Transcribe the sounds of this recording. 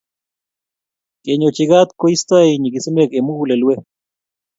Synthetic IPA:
kʼeɲot͡ʃiɣat̪koist̪ajɲikisimekemulelwe

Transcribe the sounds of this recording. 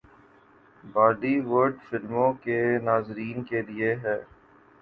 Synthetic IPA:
baːɖiʋəɾɖfɪɾmõkenaːzɾiːnkelieɦɛː

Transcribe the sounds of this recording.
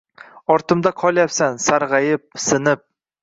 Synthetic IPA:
ɒɾt̪ɨmd̪aqʰɒlˠjapsansaɾʁɑjɪp̚sɪnɪp̚

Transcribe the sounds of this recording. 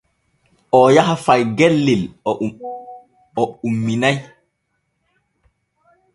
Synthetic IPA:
ʔɔjaɦafajɡɛlːil | ɔumːinaj

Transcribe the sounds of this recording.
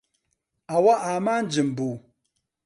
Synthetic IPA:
awaʔamaːn̩d͡ʒɪmbu

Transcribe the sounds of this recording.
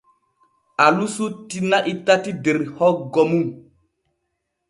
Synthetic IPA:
alusutinaʔitatideɾhɔɡomum

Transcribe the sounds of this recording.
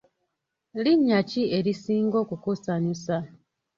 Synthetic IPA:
liɲːacie̞ɾisiːŋɡo̞ːkukusaɲusa

